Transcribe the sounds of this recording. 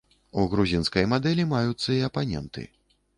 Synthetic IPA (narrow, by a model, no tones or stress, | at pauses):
uɣɾuzʲinskɐjmad̪ɛlʲimajut̪sːɐiɐpanʲɛ̰nt̪ʰɨ̰